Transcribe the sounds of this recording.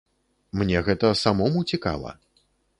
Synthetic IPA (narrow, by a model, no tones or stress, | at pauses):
mnʲɛɣɛt̪ɐsamɔmut͡sʲika̰lˠɐ̰